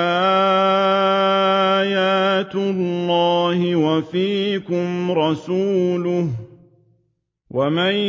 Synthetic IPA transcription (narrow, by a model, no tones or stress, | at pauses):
a | jaːt̪ʊlːɑːhɪwafiːkʊmɾˤɑsuːlʊh | wamaj